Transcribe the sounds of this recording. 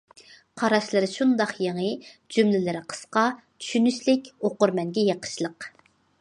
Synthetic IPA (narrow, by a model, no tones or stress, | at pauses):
qʰɑɾɑʃlˠɨɾɨʃund̪ɑχjeŋəd͡ʒymlɪlɪɾɪqʰə̥sqɑ | t͡ʃʰy̥ʃynyʃlɪkʲoqʊɾmɛŋɡʲɛjeqʰə̥ʃlˠəq